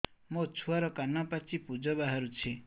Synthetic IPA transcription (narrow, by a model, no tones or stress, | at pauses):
mot͡sʰuaɾɔkanːapat͡sʰipud͡zɔbaɦʌɾut͡sʰe